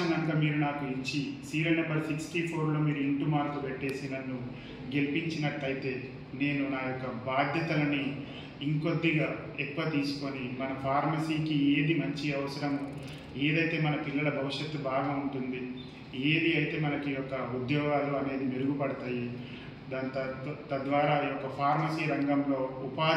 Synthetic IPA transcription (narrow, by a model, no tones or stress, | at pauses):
ɐnɐŋkaːmiːɾunaːkuiɲt͡ʃisiːɾɐjnɐmbɐɾsiksʈiːpʰo̞ːɾlo̞ːmiːɾuiɳʈumaːɾkupeʈːe̞ːsinɐnːu | ɡe̞lipiɲt͡ʃinɐʈːɐjit̪e̞ː | ne̞ːnunaːjɔkːɐbʱaːd̪ʱjɐt̪ɐlɐni | iŋko̞d̪ːiɡaː | ekːuʋɐt̪iːsu̥ko̞nimɐnɐpʰaːɾmɐsiːkieːd̪imɐɲt͡ʃiɐʋɐsɐɾɐm | e̞ːd̪ɐjt̪e̞ːmɐnɐpilːɐlɐbʱɐʋuʂjet̪ːubʱaːɡauɳʈund̪i | eːd̪iɐjit̪e̞ːmɐnɐkijɔkːɐud̪jɔːɡaːluɐne̞ːd̪imeɾuɡupɐɽɐt̪aːji | d̪aːnt̪ɐt̪ɐd̪ʋaːɾaːijɔkːɐpʰaːɾmɐsiːɾɐŋɡɐmlo̞ːupaː